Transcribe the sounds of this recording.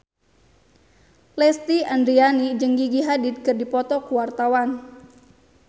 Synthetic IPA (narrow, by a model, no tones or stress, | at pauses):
lɛst̪iand̪ɾianid͡ʒəŋɡiɡiɦadid̪̚kɨrdipɔt̪ɔkuwart̪awan